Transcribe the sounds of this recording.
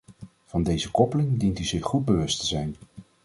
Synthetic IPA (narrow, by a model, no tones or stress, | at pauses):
v̥ɑndejzəkɔpəlɪŋdintyzɪχχud̚bəʋɵstəzɛjn